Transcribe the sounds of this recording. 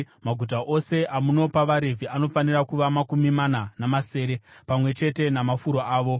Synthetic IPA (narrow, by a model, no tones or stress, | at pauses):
maɡʱut̬aʔo̞se̞ʔamuno̞paʋaɾevʱiano̞fanirakuʋamakumimananamase̞ːɾe̞pamwe̞t͡ʃe̞te̞namafuɾo̞aːʋo̞